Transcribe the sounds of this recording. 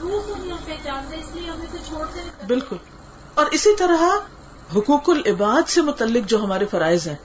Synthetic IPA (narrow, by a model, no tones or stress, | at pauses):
todiɐmpeːd͡ʒaːnd̪ẽɪslieɦɐmẽkot͡ʃʰoːɽd̪ebɪlkʊl | ɔːɾɪsit̪ɐɾəɦa | ɦʊkuːkʊlɪbaːd̪semʊt̪əlːɪkd͡ʒoːɦɐmaːɾefɐɾaːɪzɦɛ̃ː